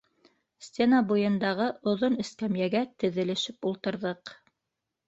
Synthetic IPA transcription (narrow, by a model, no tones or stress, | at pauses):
sʲt̪ʲenabujɤ̆nd̪ɑʁɤʔŏðonɘ̆skæmjæɡæt̪ɘ̆ðɘ̆lɘ̆ʃɘpulˠt̪ɤ̆ɾðɤq